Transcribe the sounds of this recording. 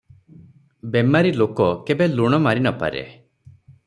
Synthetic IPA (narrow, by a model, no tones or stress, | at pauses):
bemaɾilokɔkebeluɽ̃ɔmaɾinɔpa̰ɾḛ